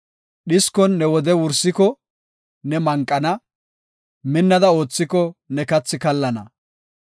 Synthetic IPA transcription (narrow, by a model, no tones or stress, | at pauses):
ɗɪskɔnːɛwɔd̪ɛwʊɾsɪkɔ | nɛmɐŋkʼːɐnɐ | mɪnːɐd̪ɐo̞ːt͡sːɪkɔnɛkɐt͡sːɪkɐlːɐnɐ̰